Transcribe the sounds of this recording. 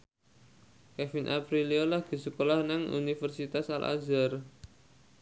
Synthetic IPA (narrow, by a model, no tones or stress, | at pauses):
kɛfinʔapɾiliolahɡ̥i̤səkolahnaŋṵnifərsit̪asa̰lʔa̰zar